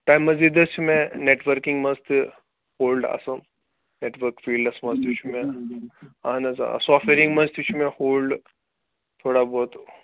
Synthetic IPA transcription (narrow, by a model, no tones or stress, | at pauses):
ʈajmːɐd͡zid̪əsʰumẽneʈʋəɾkiŋɡmɐzt̪i | hoːlɖa̰sə̃ | neʈʋəɾkfiːlɖɐsmɐzt̪ut͡ʃʰumẽ | anɐza̰sɔfeɾĩŋɡmɐzt̪ut͡ʃʰumẽhoːlɖ | t̪ʰoːɽabʱoːt̪